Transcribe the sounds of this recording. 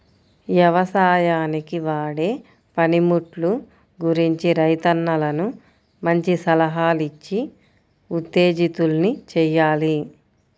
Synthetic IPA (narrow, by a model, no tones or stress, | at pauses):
ʋjɐʋɐsaːjaːnikiʋaːɽeː | pɐnimuʈlu | ɡuɾiɲt͡ʃiɾɐjt̪ɐnːɐlɐnu | mɐɲt͡ʃisɐlɐɦaːlit͡ʃːi | ut̪ːe̞ːd͡ʒit̪ulnit͡ʃɛjːaːli